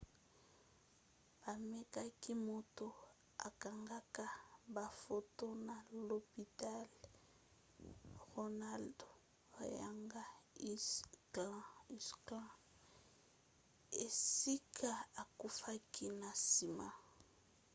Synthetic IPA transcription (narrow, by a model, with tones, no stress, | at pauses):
ba˨me˦ka˦ki˦mo˨to˦ | a̰˨ka˨ŋɡa˦ka˦ba˨fo˦to˦na˨lo˨pi˨ta˦l | ʁo˨na˦ldo˨ | a˨ja̰˦˨ŋɡa˦i˦li˦sklã˦ | e˨si˦kʰa˦a˨ku˦fa˦ki˦na˨si˨ma̰˦˨